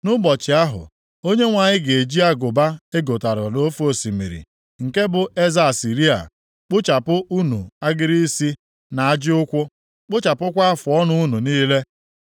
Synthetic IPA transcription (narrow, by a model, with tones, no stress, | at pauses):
nʊ˦bɔ˨t͡ʃɪ˨a˦ɦʊ̰˨ | o˦ɲe˦ŋʷa˨ɲɪ˦ɡe˨d͡ʒi˦a˦ɡʊ˨ba˦e˦ɡo˨ta˨ɾɔ˨no˦fo˦si˨mḭ˨ɾḭ˨ | ŋ̩˨ke˦bʊ˨ʔe˦za˨si˨ɾi˦a̰˨ | k͡pʊ˦t͡ʃa˨pʊ˦ʔu˦nu˨a˦ɡɪ˦ɾi˦si˦ | na˨a˦d͡ʒɪ˦ʊ˦kʷʊ˦ | k͡pʊ˦t͡ʃa˨pʊ˦kʷa˦a˦fʊ˨ɔ˦nʊ˦u˦nu˨niː˦le˦